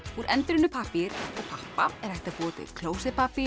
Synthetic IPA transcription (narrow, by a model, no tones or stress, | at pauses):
uɾʔɛnt̪ɾɪnʏpʰahpɪɾɔɣpʰahpaɛɾ̥ɛjht̪apɔːt̪ɪ̰kʰloːwsɪpapɪ